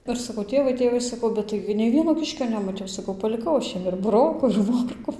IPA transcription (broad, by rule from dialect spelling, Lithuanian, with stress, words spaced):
ˈɪr sɐˈkɐʊ ˈtʲeːʋɐɪ ˈtʲeːʋɐɪ sɐˈkɐʊ ˈbʲɛt tɐɪɡʲɪ nʲɛɪ ˈʋʲiɛnoː ˈkʲɪʃʲkʲoː nʲɛmɐˈtʲɛʊ sɐˈkɐʊ pɐlʲɪˈkɐʊ ɐʃ ˈjiɛm ɪr bʊˈroːkʊ ɪr ˈmoːrkʊ